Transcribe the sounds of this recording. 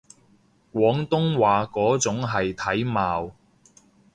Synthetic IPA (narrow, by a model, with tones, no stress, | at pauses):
kwɔː˨˥ŋt̪ʊ˥ŋwaː˨˧kɔː˨˥t͡sʊ˨˥ŋɦɐ˨jt̪ʰɐ˨˥jmaː˨w